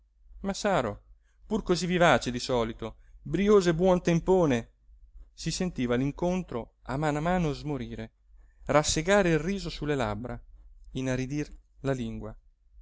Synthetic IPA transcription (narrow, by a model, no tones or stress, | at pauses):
masaːɾo | purkozivivaːt͡ʃed̪isɔːlit̪o | bɾioːzebwɔnt̪empoːne | sisent̪iːvaliŋkont̪ɾo | a̰manamaːnozmoɾiːɾe | rasːeɡaːɾeilriːzosulːela̰bɾainarid̪irlaliŋɡwa